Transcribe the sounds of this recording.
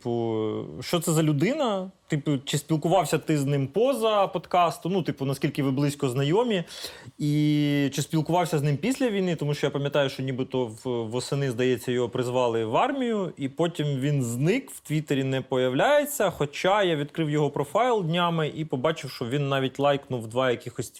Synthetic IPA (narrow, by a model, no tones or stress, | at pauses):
t̪pʊʃt͡ʃɔt̪sɛzɐlʲʊd̪ɪnɐt̪ɪpʊt͡ʃɪspʲilˠkʊʋɑwsʲɐt̪ɪznɪmpɔzɐpɔd̪kɑst̪ʊnut̪ɪpʊnɐskʲilʲkɪʋɪblˠɪsʲkɔznɐjɔmʲiit͡ʃɪspʲilˠkʊʋɑwsʲɐznɪmpʲisʲlʲɐʋʲijnɪt̪ɔmuʃt͡ʃɔjapɐmʲjɐt̪ɑjʊʃt͡ʃɔnʲibɪt̪ɔʋʋɔsɪnɪzd̪ɐjɛt͡sʲːɐjɔɦɔpɾɪzʋɑlˠɪʋɑrmʲijʊipotʲimʋʲinznɪkwt̪ʋʲit̪eɾʲinɛpɔjɐwlʲajet͡sʲːɐxɔt͡ʃɑjaʋʲid̪kɾɪwjɔɦɔpɾɔfɑjlˠd̪ʲnʲamɪʔipɔbɑt͡ʃɪwʃt͡ʃɔʋʲinːɑʋʲitʲlˠɑjknʊwd̪ʋɑjɐkʲɪxɔsʲtʲ